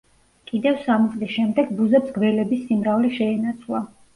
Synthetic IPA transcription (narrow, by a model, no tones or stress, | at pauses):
kʼid̪ɛvsamit̪sʼlisʃɛmd̪ɛɡbuzɛbzɡvɛlɛbisːimɾavlɛʃɛːnat̪sʰlˠa